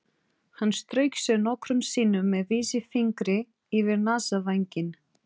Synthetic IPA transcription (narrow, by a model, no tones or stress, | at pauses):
hanːst̪ɾœːɥksɛðnɔhkɾʏmsiːnʏmːɛðviːsɪfiŋkɾɪ | ivɪɾnaːsavajɲcɪn